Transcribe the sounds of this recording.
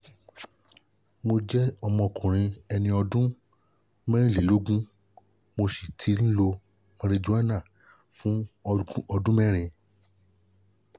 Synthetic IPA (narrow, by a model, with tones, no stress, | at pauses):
mo˧d͡ʒɛ˦ɔ˧mɔ̃˧kũ˨ɾ̃ĩ˧ɛ˧nĩ˧ɔ˧dũ˦ | mɛ̃˦li˨lo˦ɡũ˦ | mo˧si˨tʰi˨˦n̩˦lo˧ | mã˧ɾe˧d͡ʒũ˦a˦nã˦˨ | fũ˦˧˦ | ɔ˧dũ˦mɛ̃˦ɾ̃ĩ˧